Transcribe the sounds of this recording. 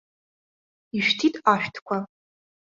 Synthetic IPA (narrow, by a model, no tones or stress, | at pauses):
iʃtʰitʼaʃᶣtʰkʷʰa